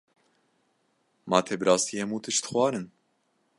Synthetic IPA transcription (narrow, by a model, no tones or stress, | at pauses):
mɑːt̪ʰeːbɨɾɑːst̪iːhɛmuːt̪ɨʃt̪xwɑːɾɨn